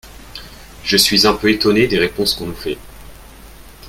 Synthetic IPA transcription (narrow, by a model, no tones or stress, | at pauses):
ʒəsɥizɛ̃pøet̪ɔned̪eʁepɔ̃skɔ̃nufɛ